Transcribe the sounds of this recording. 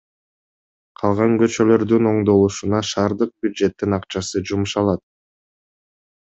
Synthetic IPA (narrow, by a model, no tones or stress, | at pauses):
qʰɑlˠʁɑŋɡø̞t͡ʃø̞lø̞ɾd̪yno̞ɴd̪o̞lˠuʃunɑʃɑːɾd̪ɯq̚bʲjud̪ʒe̞t̪ːinɑqt͡ʃɑsɯd͡ʒumuʃɑlˠɑt̪̚